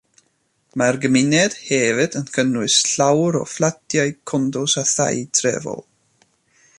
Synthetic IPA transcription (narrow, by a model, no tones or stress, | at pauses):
marɡəmɪnɛd̥hɛvɨdənkʰənwɪsɬawɾɔ̰flˠadjajkʰɔndɔsaθa̰jtʰrɛ̰vɔ̰lˠ